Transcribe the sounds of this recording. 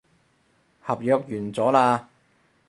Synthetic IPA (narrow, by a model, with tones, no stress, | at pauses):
hɐ˨p̚jœː˨˧k̚jyː˨˩nt͡sɔː˨˥laː˧